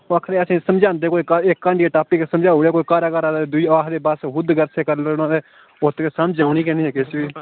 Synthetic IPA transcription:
akʰɾẽːəsĩːsəmd͡ʒãːnd̪eːkoːiːkaekːãɳeːʈaːpːiːkesəmd͡ʒaːɦoːɽaːkoːikaːɾaːkaːɾaːd̪d̪ʊiːaːkd̪eːbasɦʊd̪ɡəɾseːkəɾlːnãːd̪eː | ʊt̪keːsamd͡ʒaːʊñiːkɛ̃ːniːɛːkɪsʋiː

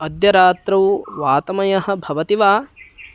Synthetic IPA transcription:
ɐd̪jɐɾaːt̪ɾɐwʋaːt̪ɐmɐjɐɦɐ̆bʱɐʋɐt̪iʋaː

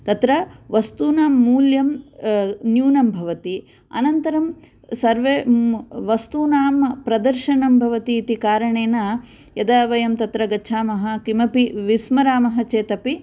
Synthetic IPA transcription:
t̪ɐt̪ɾɐʋɐst̪uːnaːmːuːljɐm | njuːnɐmbʱɐʋɐt̪i | ɐ̰nɐnt̪ɐɾɐm | sɐɾʋeʋɐst̪uːnaːmpɾɐd̪ɐɾʃɐɳɐmbʱɐʋɐt̪iːt̪ikaːɾɐɳeːnɐ | jɐd̪aʋɐjɐmt̪ɐt̪ɾɐɡɐt͡ʃʰaːmɐɦɐkimɐpiʋismɐɾaːmɐɦɐt͡ʃeːt̪ɐpi

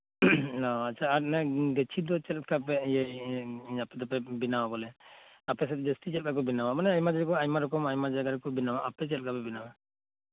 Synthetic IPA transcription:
ɔatːt͡ʃʰaːɾnɛɡət͡ʃʰid̪ɔt͡ʃɛlkapɛjɛjapɛd̪ɔpɛbinawabɔlɛ | apɛs̬ɛt̪̚d͡ʒəst̪it͡ʃɛlkak̬ɔbinawamanɛajmad͡ʒakɔajmaɾɔkɔmajmad͡ʒaɡaɾkɔbinawaʔapɛt͡ʃɛlkʰapɛbinawa

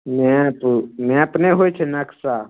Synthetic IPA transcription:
mepmẽəpneɦot͡ʃʰenɐksa

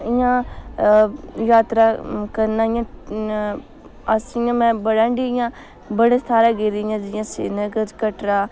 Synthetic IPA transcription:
ɪjãː | jaːt̪ɾaːkəɾnãːɪjã | asɪjãːmɛ̃ːbəɽãːɳɖiɪjãː | bəɽeːst̪ʰaːɾaːɡeːɾijãːd͡ʒɪjãːsḛːnəɡəɾkəʈɾaː

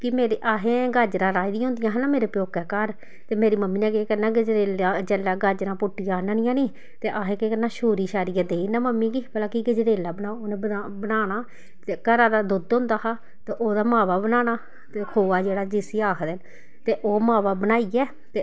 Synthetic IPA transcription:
kɪmeːɾeʔaːɦẽːɡəd͡ʒɾãːɾaːid̪ĩjaɦʊnd̪ɪjãːɦnaːmeːɾeːpjoːkɛːkəɾ | t̪eːmeːɾiːməmːiːnɛ̃ːkeːkənãːɡəd͡ʒɾeːlaːd͡ʒɛːlaːɡəɾd͡ʒɾãːpʊʈːɪjãːnənɪ̃jãːniː | t̪eːʔaːɦẽːkeːkənãːʃoːɾiːʃaːɾiːaːd̪eːinaːməmːiːɡiːbəlaːkiɡəd͡ʒɾeːlaːbənaːoːnẽːəbənaːnaː | t̪eːkəɾaːd̪aːd̪ʊd̪ʊ̃nd̪aːɦaː | t̪eːʔoːd̪aːmaːʋaːbənaːnaː | t̪eːkʰoːʋaːd͡ʒeːɽaːd͡ʒɪsiːaːkʰd̪ɛn | t̪eːʔoːmaːʋaːbənaːiːɛː | t̪eː

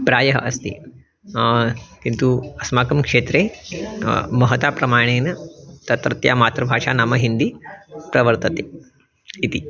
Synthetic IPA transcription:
pɾajəɦə̰ʔəst̪ḭː | kint̪uɐsmakəmkʂet̪ɾe | məɦət̪apɾəmaɽ̃enət̪ət̪ɾət̪ja̰mat̪ɾəbʱaʂanaməɦind̪iːpɾɐʋəɾt̪ət̪e | it̪iː

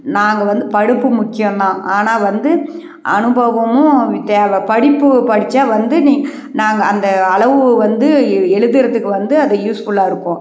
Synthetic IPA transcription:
naːŋɡɐʋɐnd̪ɯpɐɽɯpːɯmʊkːɪjɐ̃md̪ãːʔaːnaːʋɐnd̪ɯ | ɐnɯbɐʋɐmʊ̃t̪ːeʋɐpɐɽɪpːɯpɐɽɪt͡ʃːaːʋɐnd̪ɯniːŋɡɐ | naːŋɡɐːnd̪ɐːɭɐʋɯʋɐnd̪ɯɛɻɯðɪɾɐðɯkːɯʋɐnd̪ɯɐðɐjuːsfʊɭːaːɪɾɯkːõː

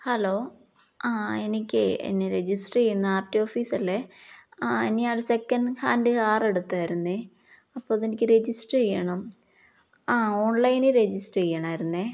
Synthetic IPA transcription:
hɐloː | aenikʲːɨḛnːeɾed͡ʑisʈejːunːɨaːrtːioːfiːsɐlːe̞ | enikːaːɽesekːɐnɖkaːndɨkaːreɽut̪ːaːjiɾunːɨ | ɐpːoːɐðenikʲːɨɾed͡ʑisʈejːɐɳɐm | aoːɳlɐjnɨɾed͡ʑisʈejːɐɳ̃aːjiɾunːe

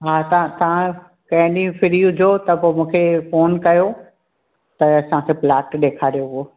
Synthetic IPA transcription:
ɦaːt̪ɐãt̪ɐʋã | kɐ̃ɦɪ̃ɗĩũfʰɪɾiuʊd͡ʑʱoːt̪ɐpoːmũːkʰefoːnkɐjo | t̪ɐɐsãkʰeːplaːʈɗeːkʰaːɾijoɦʊoː

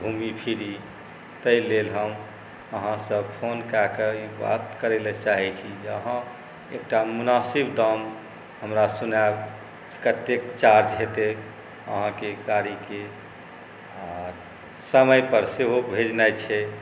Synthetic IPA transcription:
bʱumipʰiɾi | t̪əilelɦəm | əɦãsəbpʰonkakeiba̰t̪kəɾelɛt͡ʃaɦɛt͡ʃʰid͡ʒeəɦã | ek̚ʈamunasibd̪am | ɦəmɾasunab | kət̪ekt͡ʃaɾd͡ʒɦet̪e | ə̰ɦãkekaɾike | ɔɾ | səməjpəɾseɦobʱed͡ʒnajt͡ʃʰɛ

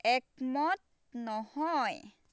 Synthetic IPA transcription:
ek̚mɔt̪̚ | nɔhɔj

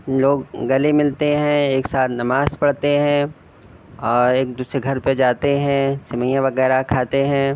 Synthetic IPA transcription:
loːɡɡɐlimɪlt̪eɦɛ̃eːksaːt̪ʰnɐmaːzpɐɽt̪eɦɛ̃ | ɔːɾeːk̚d̪uːsɾeɡʱɐɾped͡ʒaːt̪eɦɛ̃sɪmə̃jãʋɐɣɛːɾakʰaːt̪eɦɛ̃ː

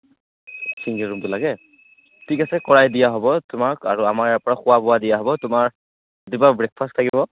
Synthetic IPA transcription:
siŋɡɛɹumtʊlaɡɛ | tʰikasɛkɔɹajdijaɦɔbɔtʊmakaɹuamaɹɛpɔɹaxʊwabʊwadijaɦɔbɔtʊmaɹ | dibabɹɛk̚pʰastʰakibɔ

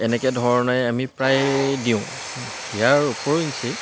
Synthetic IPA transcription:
ɛnɛkɛdʱɔɹɔnajamipɹajdiʊ̃ | ijaɹupɔɹinsi

